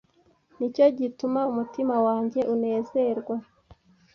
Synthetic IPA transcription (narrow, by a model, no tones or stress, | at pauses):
nico̞ɟitumaumutimawaːɲɟe̞ʔune̞ːze̞ɾɡwa